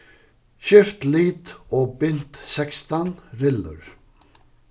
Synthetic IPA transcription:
ɕʏft̪liːt̪ɔːbʏn̥t̪sɛkst̪anɾɪlə̰ɹ

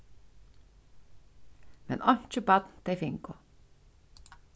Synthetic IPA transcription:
mɛ̰nʔɔɲ̥t͡ʃəbat̪nt̪ejfɪŋkʊ

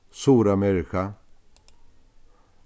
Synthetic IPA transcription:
suːɾamɛɾɪka

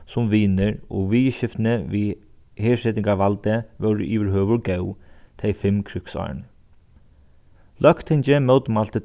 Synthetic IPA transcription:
sʊmʋiːnɪɹɔ̰ɣʋiːʃɪft̪nɪʋiː | heːʂɛt̪ɪŋkaʋalt̪əʋœwɾɪ̰ʔiːʋəɾɦœːʋʊɹɡɛwt̪ʰɛjfɪmkʰɾʏksɑ̰ɹɳ | lœkt̪ʰɛɲt͡ʃɪmœwt̪malt̪ə

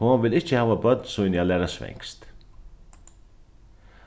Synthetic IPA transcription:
ovɪlɪht͡ʃəhaːʋabœt̪nsujnjalɛːɾasvɛ̰ŋkst̪

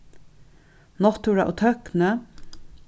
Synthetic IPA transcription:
nɔt̪uɾɑ̰ʔo̰ːt̪ʰœknə

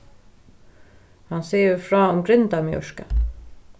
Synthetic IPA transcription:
hanseːəɾfɾaːʊmɡɾɪnt̪amjɔ̰ʂka

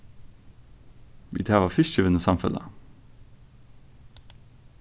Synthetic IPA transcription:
ʋḭd̪ʰæːʋɑfɪʃçəʋənəsɑmfə̰lə̰

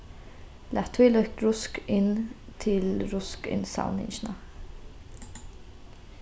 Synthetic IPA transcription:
lʔæt̪ʰwɪlœktɹʊskɪnt̪ʰɪlɹʊskɪ̰nsɑ̰ʊnɪ̰nʃnɑ

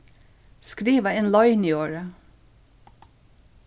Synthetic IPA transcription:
skɾiːʋəeːnlɑɪnɪoːɹə

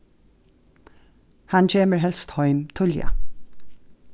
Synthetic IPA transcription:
hanc͡çʰeːməɹɦɛlst̪hɔʏmt̪ʰʊlja̰

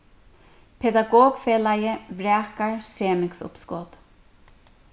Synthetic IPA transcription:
pʰɛd̪aɡɔːɡfeːlajəvɾɛːkaɹseːmɪksʊ̰pskɔːt̪

